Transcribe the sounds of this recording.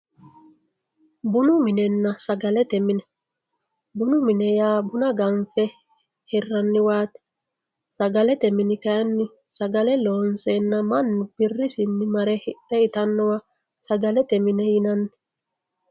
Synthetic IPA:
bʊnʊmɪnɛnːɐsɐɡɐlɛt̪ɛmɪnɛ | bʊnʊmɪnɛjaːbʊnɐɡɐɱfɛ | hɪrːɐnːɪwaːt̪ɛ̥ | sɐɡɐlɛt̪ɛmɪnɪkɐjɐnːɪ | sɐɡɐlɛloːnsenːɐmɐnːʊb̥ɪrːɪsɪnːɪmɐɾɛɾɛɪt̪ɐnːɔwa | sɐɡɐlɛt̪ɛmɪnɛjɪnɐntɛ̥

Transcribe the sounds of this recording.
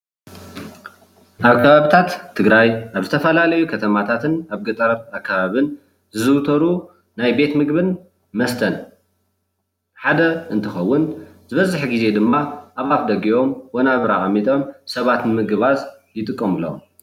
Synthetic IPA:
ʔaβkʰɐβaβit̪ʰat̪ʰːɨɡɾajʔaβzɨt̪ʰɐfɐlalɐjukʰɐt̪ʰɐmat̪ʰat̪ʰɨnaβɡɨt̪ʼɐɾɾakʰːaβaβɨn | zɨzɨwt̪ʰɐɾu | najbe̞t̪mɨɡβɨn | mɐst̪ʰɐn | ħad̪ɐʔɨnt̪ʰɨxɐwːʊnzɨβɐzːɨħɡize̞d̪ɨmːaʔaβat̚d̪ɐɡio̞mwonaβɾaʔʼɐmːit̪ʼo̞msɐβat̪nɨmɨɡɨβaz | jɪt̪ʼɨkʼːɐmɨlɐ̰w̰

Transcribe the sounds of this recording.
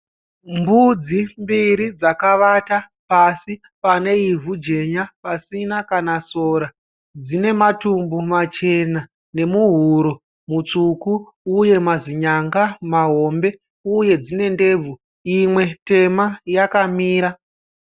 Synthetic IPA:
mbud͡zimbiɾid͡zakaʋata | pasi | pane̞ivud͡ʒe̞ɲapasinakanasoːɾa | d͡zine̞matumbumat͡ʃe̞na | ne̞muɦuɾo | mut͡sukuː | je̞maziɲaŋɡamaɦo̞mbe̞ | uje̞d͡zine̞nde̞ːb͡vu | imwe̞te̞majakamiːɾa

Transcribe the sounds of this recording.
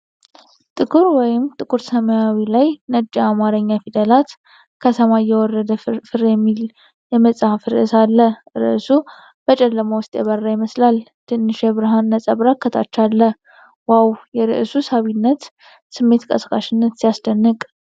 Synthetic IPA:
t̪ʼɨkʼuɾwɔjɪmt̪ʼɨkʼuɾsəməjawilajnəd͡ʒʼiamaɾəɲːafid̪əlat̪ | kʰət̪ʰəmajːɛwɔrːəd̪əfɨɾjɛmːil | jɛməsʼhafɨɾɨsalːəɾɨ̰ʔsu | b̥ət͡ʃʼɛlːəmowʊst̪ʼjɛβərːajiməslalt̪ʰɨnːɨʃɛβɨɾɨɦanːəsʼəβɾakʰːət̪ʰa̰t͡ʃːalːə | wawjɛɾɨ̰ʔsusaβinːət̪ | sɨmːe̞t̪kʼə̰skʼa̰ʃɪnːət̪sijasd̪ənːɨkʼ

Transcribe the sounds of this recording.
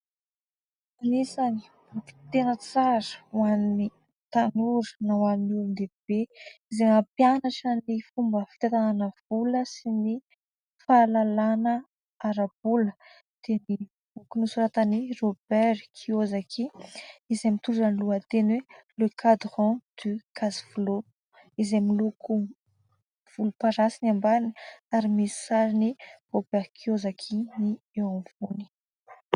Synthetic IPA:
anisani̥ | uki̥t̪enət͡saɾə̥wani | t̪anuɾə̥nawannulnd̪eb̥eizemapjanaʈ͡ʂənifumbəfi̥t̪at̪ananəv̥uləsini | falalanə | aɾab̥ulə̥ | d̪̥eni | ukunusuɾat̪anirobɛɾkʰiozakʰiizemit̪uɖ͡ʐənluət̪enwelekʰad̪ʁɔ̃d̪̥ykʰaziv̥ulo | izemiluku | v̥ulupaɾasinambainiaɾimisi̥saɾinirobɛɾkʰiozakʰini | ewãvuni̥

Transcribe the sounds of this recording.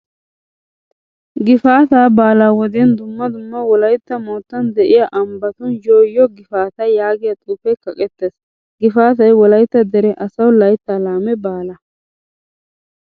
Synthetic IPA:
ɡɪfaːt̪aːbaːlaːwɔd̪ɪɛnd̪ʊmːɐd̪ʊmːɐwɔlɐjt̪ːɐmoːt̪ːɐnd̪ɛʔɪjaʔɐmbɐt̪ʊnjoːjːɔɡɪfaːt̪ɐjaːɡɪjɐt̪ʼuːfɛkɐkʼɛt̪ːeːs | ɡɪfaːt̪ɐjwɔlɐjt̪ːɐd̪ɛɾɛʔɐsɐwlɐjt̪ːaːlaːmɛbaːlɐ

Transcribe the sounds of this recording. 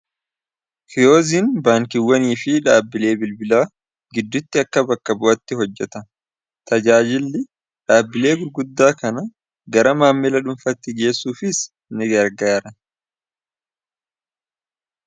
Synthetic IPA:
kʰɪjo̞ːziːnbaːŋkɪwːɐniːfɪᶑaːbːɪle̞ːbɪlbɪlaː | ɡɪd̪ːʊt̪ːɪɐkːɐbɐkːɐbʊʔɐt̪ːɪɦɔd͡ʒːɛt̪ɐ | t̪ɐd͡ʒaːd͡ʒɪlːɪ | ᶑaːbːɪle̞ːɡʊɾɡʊd̪ːaːkɐnɐ | ɡɐɾɐmaːmːɪlɐᶑʊmfɐt̪ːɪɡe̞ːsːuːfɪs | nɪɡɐɾɡaːɾɐ

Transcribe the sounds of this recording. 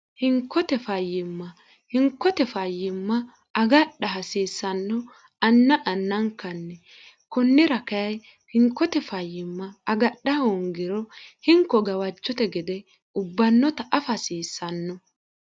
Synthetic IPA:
hɪŋkːɔt̪ɛfɐjːɪmːɐ | hɪŋkːɔt̪ɛfɐjːɪmːɐ | ɐɡɐɗːɐɦɐsiːsːɐnːɔ | ɐnːɐʔɐnːɐŋkɐnːɛ | kɔnːɪɾɐkɐjɐj | hɪŋkːɔt̪ɛfɐjːɪmːɐɐɡɐɗːɐhoŋɡɪɾɔhɪŋkːɔɡɐwɐt͡ʃːɔt̪ɛɡɪd̪ɛ | ʊbːɐnːɔt̪ɐʔɐfɐsiːsːɐnːɔ

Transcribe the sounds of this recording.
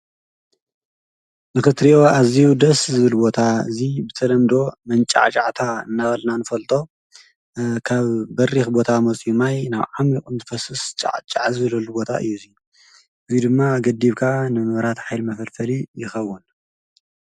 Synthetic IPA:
mɨxɨt̪ɾijo̞azijud̪ɐszɨβɨlbo̞t̪ʰaɨzibɨt̪ʰɐlɐmd̪o̞mɐnt͡ʃʼa̰ʕt͡ʃʼaʕt̪ʰaɨ̰nːabɐlnanɨfɐlt̪ʼo̞ | kʰaβbɐrixbo̞t̪ʰamot͡sʼimajnaβʕamikʼɨmt̪ʰfɐsɨst͡ʃʼa̰ʕt͡ʃʼaʕzɨβɨlɐlubo̞t̪ʰaʔɨ̰jːuziu | ʔɨzid̪ɨmːaɡɐd̪iβkʰanɨmɨβɾat̪ħajlmɐfɐlfɐlijɪxɐwːun

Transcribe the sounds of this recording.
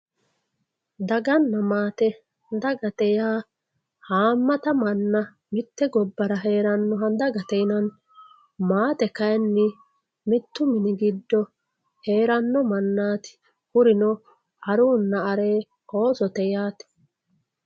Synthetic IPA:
d̪ɐɡɐnːɐmaːt̪ɛ | d̪ɐɡɐt̪ɛjaː | haːmːɐt̪ɐmɐnːɐ | mɪt̪ːɛɡɔbːɐɾɐɦe̞ːɾɐnːɔɦɐnd̪ɐɡɐt̪ɛjnɐn | maːt̪ɛkɐjnːɪ | mɪt̪ːʊmɪnɪɡɪd̪ːɔ | he̞ːɾɐnːɔmɐnːaːt̪ɪ̥ | hʊɾɪnɔ | ɐɾuːnːɐɐɾeː | o̞ːsɔt̪ɛjaːt̪ɛ̥

